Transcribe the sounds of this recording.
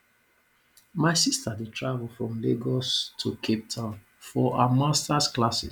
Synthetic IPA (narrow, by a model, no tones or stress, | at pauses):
maɪsistadetʰɹavəl̩fɹɔ̃mleɡɔstʰukʰep̚tʰã | fɔʔamastasklasɪ̰